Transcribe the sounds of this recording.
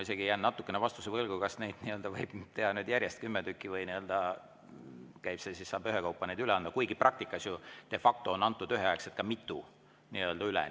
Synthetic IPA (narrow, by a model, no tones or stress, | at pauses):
ise̞ɡ̥iejæːnnɑt̪ːˑukːˑe̞nevɑst̪usevɤlɡ̥ukɑsne̞jd̪̥niø̞ld̪̥ɑvɤjb̥t̪e̞hɑnyːd̪jæɾʲjest̪̚kymːed̪ykˑːivɤjniø̞ld̪̥ɑ | kæjb̥sesisːɑːb̥yɦekɑwpːˑɑne̞jd̪̥yleɑnd̪̥ɑkujɡiprɑk̚t̪ikːˑɑsjut̪e̞fɑk̚t̪oonɑnt̪ˑːud̪yɦeɑekset̪kɑmit̪ːˑu | niø̞ld̪ɑylḛ